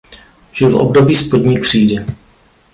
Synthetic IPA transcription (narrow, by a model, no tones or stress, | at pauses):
ʒ̥ɪlfʔo̰bdobiːspodɲiːkr̝̥iːdɪ